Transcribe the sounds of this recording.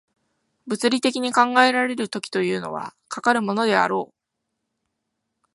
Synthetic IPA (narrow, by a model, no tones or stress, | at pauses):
bɯ̟t͡sɨɾʲit̪e̞kʲiɲ̟ikãŋɡae̞ɾaɾe̞ɾɯ̟t̪o̞kʲi̥t̪o̞jɯ̟ːno̞̰β̞a̰kakaɾɯ̟mo̞no̞d̪e̞a̰ɾo̞ː